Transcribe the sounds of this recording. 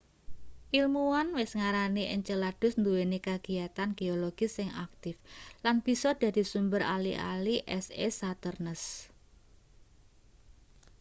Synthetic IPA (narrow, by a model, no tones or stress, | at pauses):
ʔilmuwanwɪsŋaɾaniʔəɲt͡ʃəlad̥ʊ̤snd̪uwenekaɡ̥iat̪anɡ̥eoloɡ̥isɪŋa̰k̚t̪ɪflanb̥i̤sɔd̪̥ä̤d̪̥i̤sumbəɾa̰lḭʔa̰liʔɛsesat̪ərnəs